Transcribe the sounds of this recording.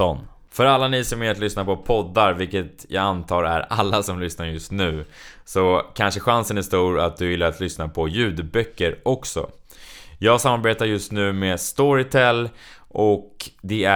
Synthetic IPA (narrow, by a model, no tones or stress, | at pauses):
ɔn | fœɾalːaniːsɔmɛat̪lʏsnapʰɔpʰɔd̪ːaɾvɪlkət̪jɑːɡant̪ʰɑːɾæ̰ɾalːasɔmlʏsnaɾjɵst̪nʉ̟ːsɔkʰanʂəɧansənæʂt̪uːɾat̪̚d̪ɵvɪlːaɾat̪ʰlʏsnapʰɔjʉ̟ːd̪bœkːəɾʔɔksɔ̰ | jɑːɡsamːaɾbeːt̪aɾjɵst̪nʉ̟ːmeːst̪ɔɾɪt̪ʰɛlː | ʔɔkd̪ɛæ